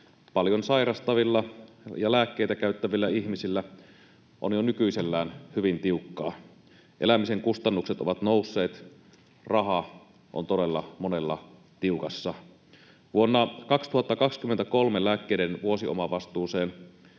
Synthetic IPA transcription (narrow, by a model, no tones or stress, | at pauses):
pɑljonsɑjɾɑst̪ɑʋilːɑjɑlæːkːejt̪ækæˑyt̪ːæʋilːæihmisilːæ | ʔonjonykyiselːæːnhyʋint̪iukːɑː | ʔḛlæmiseŋkust̪ɑnːukset̪oʋɑt̪noˑusːeːt̪ | rɑhɑ | ʔo̰nt̪odelːɑmonelːɑ̰ | t̪iukɑsːɑ | ʋuonːɑkɑkst̪uhɑt̪ːɑkɑkskymːent̪ækolmelæːkːeidenʋuosio̰mɑʋɑst̪uːseːn